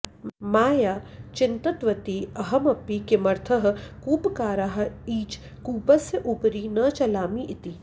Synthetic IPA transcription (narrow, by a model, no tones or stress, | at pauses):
maːjaːt͡ʃɪnt̪ɐt̪ʋɐt̪iɐɦɐmɐpːikɪmɐɾt̪ʰəɦ̆kuːpkaːɾaɦiːt͡ʃ | kuːbɐseʔuːpɾiːnɐt͡ʃɐlaːmiʔɪt̪iː